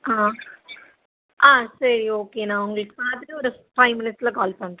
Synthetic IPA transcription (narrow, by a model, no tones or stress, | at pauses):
aː | aːsɐɾioːkeːnãːʊŋɡɐɭɯkːə̥paːt̪ɾiɔɾɯpɾɐɪmɪnɪʈslaːkaːlpɐɳʈː